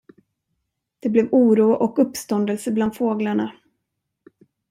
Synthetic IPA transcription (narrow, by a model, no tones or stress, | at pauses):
d̪̥ɛblɛvuːɾuːaʔɔkɵpːst̪ɔnd̪əlsəbland̪foːɡlaɳa